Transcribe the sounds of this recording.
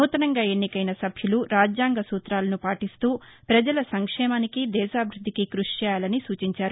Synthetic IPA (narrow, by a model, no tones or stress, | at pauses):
muːt̪ɐnɐŋɡaːe̞nːikɐjnɐsɐbʱjuluɾaːd͡ʒjaːŋɡɐsuːt̪ɾaːlɐnupaːʈist̪uːpɾɐd͡ʒɐlɐsɐŋkʂɛːmaːnikid̪ɛːʃaːbʱiɾud̪ʱːikikɾuʂt͡ʃɛːjaːlɐnisuːt͡ʃiɲt͡ʃaːɾu